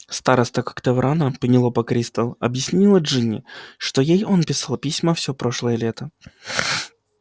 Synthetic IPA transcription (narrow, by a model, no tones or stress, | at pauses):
st̪aɾəst̪əkḁkt̪əvɾʔanəpənʲɪlˠopɐkɾʲist̪əlˠɐ̰bjɪsʲnʲilˠəʐɨnʲɪ̰ʂt̪ojejo̞npʲɪsalˠpʲisʲməfsʲopɾoʂlˠəjəlʲet̪ə